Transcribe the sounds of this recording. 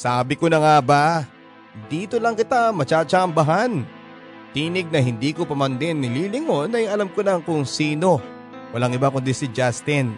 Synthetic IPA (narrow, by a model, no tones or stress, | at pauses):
saːbɪkonɐŋaba | d̪iːt̪o̞lɐŋkɪt̪amɐt͡ʃaːt͡ʃaɐmbɐɦan | t̪iːnɪɡ̚nɐɦɪnd̪iːkopɐmand̪ɪnːɪliːlɪŋo̞nɐjɐlamkolɐŋkʊŋsiːno̞ | wɐlaŋʔɪbakʊnd̪isɪd͡ʒast̪ɪn